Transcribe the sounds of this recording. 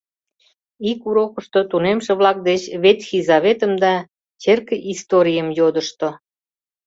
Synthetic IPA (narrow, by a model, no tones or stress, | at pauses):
ikuɾokəʃt̪ot̪unemʃĕβlɑk̚d̪et͡ɕβet̪xizaβet̪əmd̪ɑ | t͡ɕerkəʔist̪oɾʲijəmjod̪əʃt̪o